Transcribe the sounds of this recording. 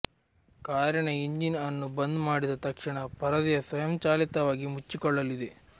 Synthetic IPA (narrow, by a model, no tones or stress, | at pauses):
kaːɾjɐɳɐiɲd͡ʒinɐnːubɐnd̪maːɽid̪ɐt̪ɐkʂiɳɐpɐɾɐd̪ijɐsʋɐjɐmt͡ʃaːlit̪ɐʋaːɡimut͡ʃːikɔɭːɐlid̪e̞